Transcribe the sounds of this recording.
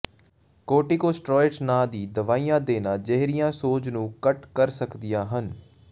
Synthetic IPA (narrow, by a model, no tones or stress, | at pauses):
koːʈiːkoːsʈɾɔːɪʈsnãːd̪iːd̪əʋaːiːjãːd̪eːnaːd͡ʒəɦɾijãːsoːd͡ʒnũːkəʈkəɾsəkd̪ɪjãːɦən